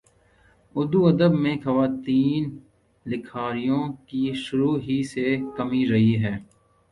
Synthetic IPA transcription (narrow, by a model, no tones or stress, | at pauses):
ʊd̪uɐd̪əbmẽxɐʋaːt̪iːn | lɪkʰaːɾijõkiʃʊɾuːɦisekɐmiɾɐɦiɦɛː